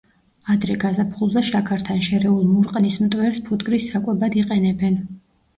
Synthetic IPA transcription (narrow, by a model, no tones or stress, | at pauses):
ad̪ɾɛɡazapχulˠzaʃakʰaɾt̪ʰanʃɛɾɛulˠmuɾqʼnismt̪ʼwɛɾspʰud̪ɡʼɾisːakʼwɛbad̪iqʼɛnɛbɛn